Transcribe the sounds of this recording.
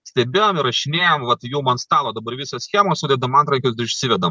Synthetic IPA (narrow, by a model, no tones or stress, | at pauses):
sʲt̪ʲɛbʲeːjoːmɪɾɐʃʲɪnʲeːjoːmʋɐt̪juːmɐnst̪ɑːlˠoːd̪ɐbɐɾʋʲisɐsʲxʲiːmoːsʊd̪ʲɛd̪ɐmɐnt̪ɾɐŋʲkʲʊsd̪ɪɪʃʲsʲɪʋʲɛd̪ɐm